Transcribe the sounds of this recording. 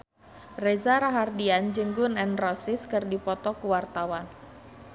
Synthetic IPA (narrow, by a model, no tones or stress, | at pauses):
rɛzaɾaɦardiand͡ʒɨŋɡʊnɛnrɔsɪskɨrdipɔt̪ɔkuwart̪awan